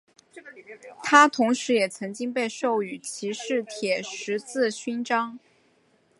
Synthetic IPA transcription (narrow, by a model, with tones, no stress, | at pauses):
t̪ʰa˥t̪ʰʊ˧˥ŋʂɻ̩˧˥jɛ˨˩t͡sʰɤ˧˥ŋt͡ɕi˥ŋpe˥˧ɪʂo˥˩ʊy˨˩t͡ɕʰi˧˥ʂɻ̩˥˩t̪ʰjɛ˨˩ʂɻ̩˧˥t͡sɹ̩˥˩ɕy˥nʈ͡ʂɑ˥ŋ